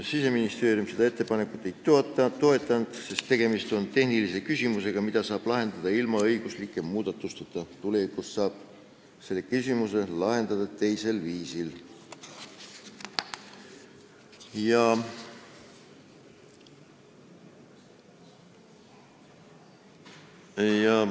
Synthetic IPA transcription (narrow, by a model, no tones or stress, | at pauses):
sise̞minist̪e̞ːɾjumse̞d̪̥ɑe̞t̪ːe̞pɑne̞kːˑut̪ːˑejt̪oet̪ːɑt̪ːo̞e̞t̪ːˑɑnd̪̥se̞st̪ːe̞ɡ̥e̞mist̪o̞nt̪e̞hnilise̞kysʲimuse̞ɡ̥ɑmid̪̥ɑsɑːb̥lɑɦe̞nd̪̥ɑd̪ɑilmɑɤjɡ̥uslikːˑe̞muːd̪̥ɑt̪ːˑust̪ɑt̪ːˑɑt̪ule̞vikussɑːb̥ | se̞lːekysʲimuse̞lɑɦe̞nd̪̥ɑd̪̥ɑt̪e̞jse̞lviːsil | jɑ | jɑ